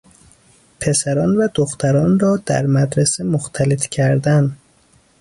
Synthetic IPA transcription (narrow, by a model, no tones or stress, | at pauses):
pʰe̞sæɾɒːnvæd̪oxt̪ʰæɾɒːnrɒːd̪̥æ̰ɾmæd̪ɾesemoxt̪ʰælet̪cʰæɾd̪æn